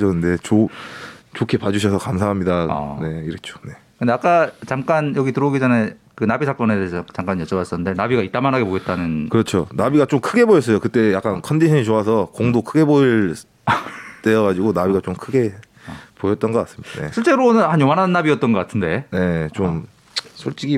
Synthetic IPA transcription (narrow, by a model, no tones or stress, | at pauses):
d͡ʑʌnːɯnde̞t͡ɕo | t͡ɕokʰe̞pad͡ʑuɕ̬ʰʌsʰʌkamsʰaɦamɲida̰ne̞iɾʌt͡ɕʰo̥ne̞kɯnde̞ak͈at͡ɕamk͈anjʌɡitɯɾʌɡid͡ʑanekɯnabisʰak͈ʌnedet͡ɕamk͈anjʌt͡ɕ͈ʌbas͈ʌnːɯnde̞nabiɡait͈amanɦaɡe̞poɡet̚t͈anɯnkɯɾʌt͡ɕʰonabiɡat͡ɕomkʰɯɡe̞bojʌs͈ʌjokɯt͈e̞jak͈ankʰʌndisʰʌit͡ɕoas̬ʰʌkoŋdokʰɯɡe̞boɭ | t͈ejʌɣad͡ʑiɡonabiɡat͡ɕomkʰɯɡe̞ | pojʌt̚t͈ʌnɡʌk͈as͈ɯ̥mɲid̥ane̞ɕʰiɭt͡ɕ͈e̞ɾonɯnhanjomanɦanːabiʌt͈̚ʌnɡʌk͈atʰɯnde̞ne̞t͡ɕom | sʰoɭt͡ɕ͈iɡi